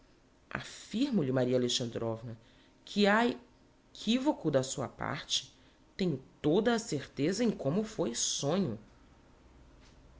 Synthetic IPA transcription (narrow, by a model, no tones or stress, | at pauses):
a̰fiɾmʊʎɪmaɾiɐaleʃɐ̃nd̪ɾɔvnɐ | kʰɪae | kʰivokʊd̪ɐsuɐ̰pa̰ɾt͡ʃɪ̥ | t̪ẽɲʊt̪od̪ɐːseɾt̪ezɐẽj̃kõmʊfojsõɲʊ